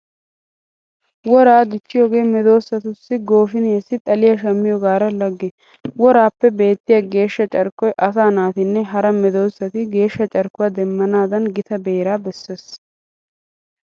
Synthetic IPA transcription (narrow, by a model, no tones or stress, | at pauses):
wɔɾaːd̪ɪt͡ʃːɪjoːɡe̞ːmɛd̪o̞ːsːɐt̪ʊsːɪɡo̞ːfɪnesːɪt̪ʼɐlɪjɐʃɐmːɪjɔɡaːɾɐlɐɡːɪ | wɔɾaːpːɛbe̞ːt̪ːɪjɐɡe̞ːʃːɐt͡ʃʼɐɾkːɔjʔɐsaːnaːt̪ɪnːɛɦɐɾɐmɛd̪o̞ːsːɐt̪ɪɡe̞ːʃːɐt͡ʃʼɐɾkːʊwad̪ɛmːɐnaːd̪ɐnɡɪt̪ɐbeːɾaːbɛsːes